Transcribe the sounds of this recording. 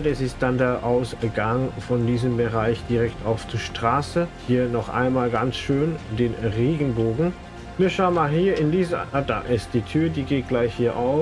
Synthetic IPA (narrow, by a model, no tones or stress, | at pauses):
dɛsɪst̚d̥andeːɐʔaʊsɡ̥aŋfɔndiːzəmbəʁaɪçd̥iʁɛktʰaʊft͡suːɐʃtʁ̥aːsəhiːɐnɔχʔa̰ɪnmaːlɡansʃøːndeːnʁeːɡn̩boːɡŋ̩ | viːɐʃaʊənmaːlɦiːɐɪndiːzəad̥a̰ːʔɛst̚d̥iːtʰyːɐdiːɡeːt̚ɡ̥laɪçhiːɐʔaʊ